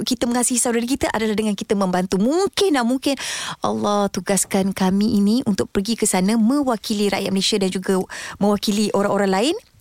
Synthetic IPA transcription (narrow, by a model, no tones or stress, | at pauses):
kit̪əməŋasɪhsawdaɾik̬it̪aʔadalahdəŋankit̪əmə̃mbant̪umuŋkɪnahmuŋkɪnʔɑ̰lːɔht̪uɡaskankamĩʔinĩʔunt̪ʊk̚pərɡikəsanãmə̃wakiliɾa̰ʔjat̪̚məlesiadand͡ʒuɡamə̃wakiliʔoɾaŋoɾaŋlaɪn